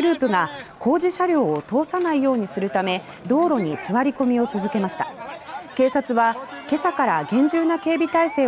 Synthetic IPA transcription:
ɾɯ̟ːpɯ̟ɡakʰo̞ːʑiɕaɾʲo̞ːot̪o̞ːsanaijo̞ːɲ̟isɨɾɯ̟t̪ame̞ | d̪o̞ːɾo̞ɲ̟isɨβaɾʲiko̞mʲio̞t͡sɨzɨke̞maɕi̥t̪ake̞ːsat͡sɨβake̞sakaɾaɡẽ̞ɲ̟d͡ʑɨːnake̞ːbʲit̪aise̞ː

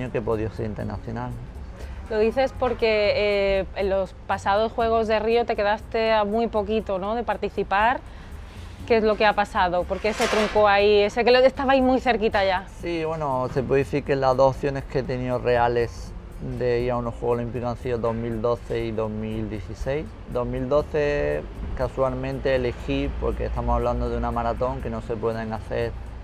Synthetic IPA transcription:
okepo̞ðjoseɾint̪ḛɾna̰θjo̞nalnlo̞ð̞iθe̞spo̞ɾke̞ | enlo̞spasað̞o̞sxwe̞ɣ̞o̞zðe̞rio̞t̪e̞ke̞ðast̪e̞amwujpo̞kit̪o̞no̞ðe̞paɾt̪iθipaɾ | keezlo̞keapasað̞o̞po̞ɾkeese̞t̪ɾuŋkoaiesekeest̪aβaimujθe̞ɾkit̪aʝasiβwe̞nose̞pweeeθiɾkelazðohoθjo̞neskeet̪eniore̞ale̞s | d̪eiɾaunohxweɣolimpikoãnθioðo̞ɦmild̪o̞θe̞iðo̞ɦmild̪je̞θise̞js | d̪o̞ɦmild̪o̞θe̞kaswalmẽnt̪e̞ːle̞xipo̞̰ɾkḛst̪amosaβ̞land̪oðeunamaɾat̪õ̞ŋke̞no̞se̞pweðeŋaθeɾ

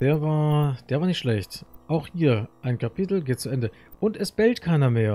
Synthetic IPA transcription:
d̥eːɐvaːɐd̥eːɐvaːɐnɪçtʃlɛçtʔaʊxhiːɐʔaɪnkapʰitl̩ɡeːt̚t͡suʔɛndə | ʔʊntɛsb̥ɛltkʰaɪnɐmeːɐ

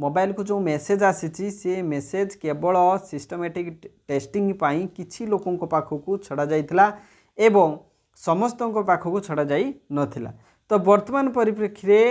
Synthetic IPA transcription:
mobajlkud͡ʒeũmesed͡ʒasit͡ʃʰisemesed͡ʒkebɔɭɔsisʈɔmeʈikʈesʈiŋɡpaĩkit͡ʃʰilokɔŋkɔpakʰɔkut͡ʃʰɔɽad͡ʒajt̪ʰila | ebɔŋ | sɔmɔst̪ɔŋkɔpakʰɔkut͡ʃʰɔɽad͡ʒajnɔt̪ʰila̰ | t̪ɔbɔɾt̪ɔmanɔpɔɾip̬ɾekʰːiɾe

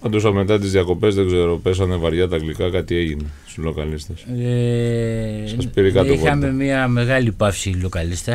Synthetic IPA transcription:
ɐd̪usɐme̞t̪ɐt̪izðiɐko̞pe̞zðe̞ɡze̞ɾo̞pes̬ɐnevɐɾʝɐt̪ɐklikɐkɐt̪ie̞ʝineslo̞kɐlist̪ese | sɐspiɾikɐt̪oipoɐme̞miɐme̞ɣɐlipɐfsilo̞kɐlist̪ɐ

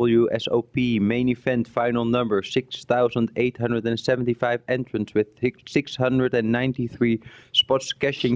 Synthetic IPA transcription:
bl̩ˠjuʔɛ̰so̰ʊpimẽɪ̃nifɛ̃ntfãɪ̃nl̩ˠnʌ̃mbə˞sɪksθaʊzə̃ndeɪthʌ̃ndɹədɨ̃nsɛvn̩tifaɪvɛ̃ntɹ̥ɨ̃nswɪð̥sɪkshʌ̃ndɹədɨ̃nːãɪ̃ntiθɹispɑtskɛʃɪ̃ŋ

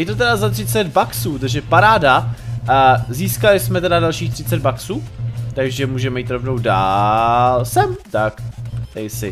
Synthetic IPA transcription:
ɛjɪt̪ot̪ɛdazat̪r̥ɪt͡sɛd̪baksuːt̪aʒɛpaɾaːda | ziːskalɪsmɛt̪ɛdadalʃiːxt̪r̝̥ɪt͡sɛd̪baksuːt̪aɡʒɛmuːʒɛmɛjiːt̪ɾo̞vno̞wdaːlsɛmt̪akt̪ɛjsɪ

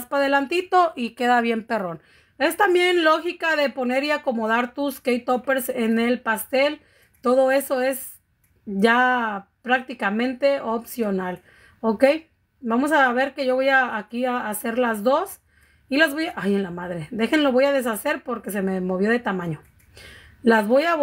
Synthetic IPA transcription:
spaðe̞lant̪it̪o̞ʔike̞ðaβje̞mpe̞ro̞n | e̞st̪ambje̞nlo̞xikaðe̞po̞ne̞ɾiako̞mo̞ð̞aɾt̪uskejt̪ope̞ɾsene̞lpast̪e̞l | t̪o̞ðo̞e̞so̞e̞s | ʝapɾak̚t̪ikamẽ̞nt̪e̞ʔopsjo̞nal | oke̞j | bamo̞saβe̞ɾke̞ʝo̞βojaːkiaːse̞ɾlazðo̞s | ilazβojaʔaje̞nlamaðɾe̞ðe̞xe̞nlo̞βo̞jað̞e̞s̬ase̞ɾpo̞ɾke̞s̬e̞me̞mo̞βjo̞ðe̞t̪amãɲo̞ | lazβo̞ja

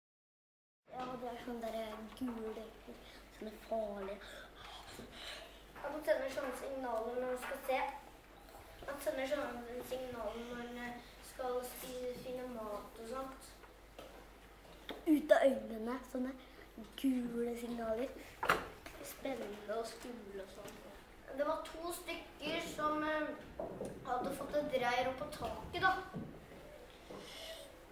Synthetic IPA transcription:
jɑːd̪ɛæɾʂɔnːəd̪æːɾəɡʉːləkəɾsɔnːəfɑːɭɪə | ɑt̪sɛnːəʂɔnːəsɪŋnɑːlənɔɾmɑnskɑlseː | ɑt̪sɛnːəʂ̬ɔnənsɪŋnɑːlmɑn | skɑlspiːəsinəmɑːt̪ɔsɑnt̪ | ʉːt̪ɑʔœʏnənəsɔnːə | ɡ̥ʉːləsɪŋnɑːləɾ | spɛnːnəɔskʉːləɔsɔnː | d̪ɛʋɑʈʰuːst̪ʏkːəɾsɔm | hɑd̪ːəfɔt̪ːəd̪ɾæɪəɾɔpːɔt̪ʰɑːkəd̪ɑ

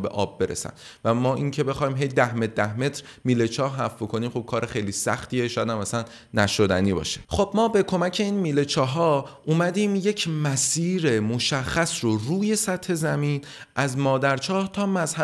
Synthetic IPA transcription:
be̞̰ʔɒ̰ːbːe̞ɾḛsæ̰n | væmɒːʔiŋcʰe̞be̞xɒːiːmɦe̞jd̪æhmet̚d̪æhme̞t̪ɾ | miːlet͡ʃʰɒːhɦæɾfbokʰo̞niːmχo̞b̥̚kʰɒːɾʔexejliːsæ̰xt̪ʰiːeʃɒːjæd̪æmæsænː | æʃod̪æ̰niːbɒ̰ːʃe̥χo̞b̥mɒːbe̞kʰo̞mæcʰe̞iːnmiːle̞t͡ʃʰɒːɦɒːʔuːmæd̪iːmje̞cʰmæsiːɾemoʃæxːæsroruːje̞sæt̪he̞zæmiːn | ʔæzmɒːd̪æɾt͡ʃʰɒːht̪ʰɒːmæzhæ

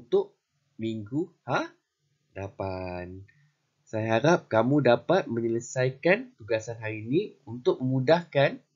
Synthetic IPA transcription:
t̪ʊʔ̚ | miŋɡuhah | dapan | sajaɦaɾap̚kamũdapat̪̚mə̃ɲələsajkant̪uɡasanɦaɾinĩunt̪ʊk̚məmudahkan

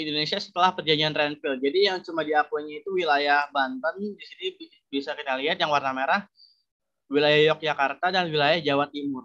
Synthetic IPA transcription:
indonesiasə̥t̪əlahpərd͡ʒaɲd͡ʒianrɛnfild͡ʒadijaŋt͡ʃumadiakuɲait̪uwilajahbant̪andisinibi | bisakit̪aliɦat̪jaŋwarnamaɾah | wilajahjɔk̚d͡ʒakart̪adanwilajahd͡ʒawat̪̚imʊr

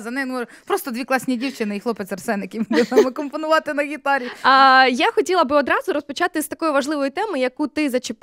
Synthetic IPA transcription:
zɐnɛnpɾɔst̪ɔd̪ʋʲiklˠɑsʲnʲidʲiwt͡ʃɪnɪixlˠɔpɪt̪sʲɐrsɛnɪjkʲimd̪ɪɐmɐkɔmpɔnʊʋɑt̪ɪnɐɣʲit̪ɑɾʲijaxɔtʲilˠɐbɨɔd̪ɾɑzʊɾɔspɔt͡ʃɑt̪ɪst̪ɐkɔjʊʋɐʒlˠɪʋɔjʊt̪ɛmɔjɐkut̪ɪzɐt͡ʃɪp

